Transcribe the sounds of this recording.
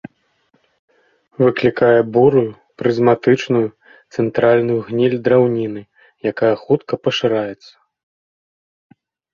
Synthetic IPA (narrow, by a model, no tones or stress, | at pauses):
vɨklʲikajɛbuɾuju | pɾɨzmat̪ɨt͡ʂnuju | t̪sɛnt̪ɾalʲnujuɣnʲilʲd̪ɾawnʲinɨ | jakajɐxut̪kɐpɐʂɨɾajɛt̪sːɐ̥